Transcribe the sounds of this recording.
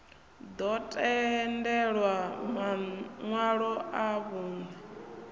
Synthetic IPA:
d̪ɔtʼɛndɛɺwamaŋwaɺɔaβuːnɛ

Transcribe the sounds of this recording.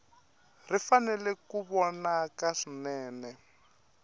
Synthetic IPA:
rifanɛlɛkuβɔnakaʂinɛːnɛ

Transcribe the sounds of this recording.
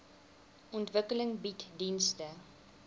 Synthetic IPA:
ʔɔntvəkələŋbitdinstə

